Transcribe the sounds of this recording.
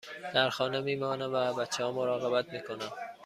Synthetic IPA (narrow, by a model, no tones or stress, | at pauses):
d̪̥æɾxɒːnemiːmɒːnæmvæbæt̪t͡ʃʰːehɒːmoɾɒːɣebæt̪miːkʰonæm